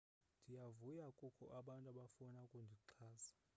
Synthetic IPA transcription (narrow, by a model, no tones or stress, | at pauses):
ndʱijavujakʼukʰɔʔaɓantʼaɓafunakʼundʱiǁʰaːzḁ